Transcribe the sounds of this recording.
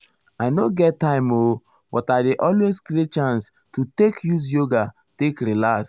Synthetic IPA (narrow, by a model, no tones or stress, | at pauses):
aɪnoɡɛttːãɪ̃mo | bɔtaɪdeʔɔlweskɾet͡ʃãns | tutekjus̬joɡa | tekɾilas